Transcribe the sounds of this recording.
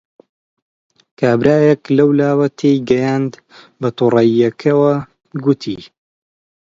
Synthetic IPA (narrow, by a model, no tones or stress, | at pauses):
kʰaːbɾaːjɐklɐwlaːwɐt̪ʰeːjɡɐjaːnd̪ | bɐt̪urˤɑɐkʰɐwɐ | ɡʊt̪ʰiː